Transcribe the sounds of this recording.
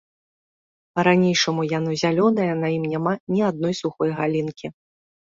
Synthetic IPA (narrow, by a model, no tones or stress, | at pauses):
pɐɾanʲejʂɐmujanɔzʲalʲɔnɐjɐnɐjimnʲamanʲiad̪̚nɔjsuxɔjɣalʲinkʲi